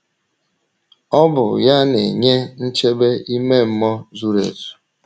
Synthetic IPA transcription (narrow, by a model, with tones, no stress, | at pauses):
ɔ˦bʊ̰˨ja˦ne˨ɲe˦n̩˦t͡ʃe˦be˦i˦me˦m̩˦mɔ˦zu˦ɾḛ˨zu̥˨